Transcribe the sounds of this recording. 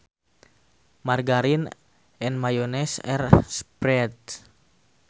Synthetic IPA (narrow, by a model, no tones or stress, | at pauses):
marɡaɾin | ɛnmajonɛsɛ̰rspɾɛt̪̚